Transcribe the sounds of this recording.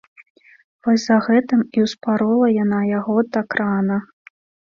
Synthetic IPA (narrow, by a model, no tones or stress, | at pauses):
vɔsʲzɐɣɛt̪ɨmiwspaɾɔlˠɐjan̪ajaɣɔd̪akɾanɐ